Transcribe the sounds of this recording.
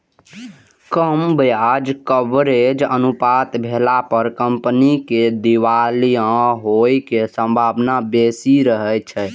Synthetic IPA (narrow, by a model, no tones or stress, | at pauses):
kəmbjad͡ʒkəbɾed͡ʒə̰nupat̪bʱelapəɾkəmpniked̪iwalijãɦojkesə̃mbʱabnabesiɾəɦɛjt͡ʃʰɛ